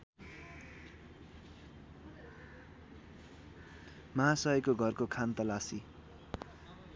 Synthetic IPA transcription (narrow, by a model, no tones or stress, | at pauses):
mʌɦãsʌʌkoɡʱʌrkokʰant̪ʌlasi